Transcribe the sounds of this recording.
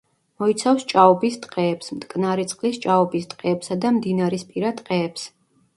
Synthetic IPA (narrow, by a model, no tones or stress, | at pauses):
mɔit̪sʰafst͡ʃʼaɔbist̪ʼqʼɛːpsmt̪ʼkʼnaɾit̪sʼqʼlist͡ʃʼaɔbist̪ʼqʼɛːpsad̪amd̪inaɾispʼiɾat̪ʼqʼɛːps